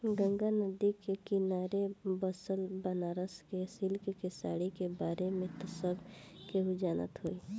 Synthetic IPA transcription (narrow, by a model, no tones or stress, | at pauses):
ɡə̃ŋɡanəd̪ikekinaːɾebəsəlbənaːɾəskesilkkesaːɽikebaːɾemẽt̪əsəbkeɦud͡ʒaːnə̰t̪ɦoi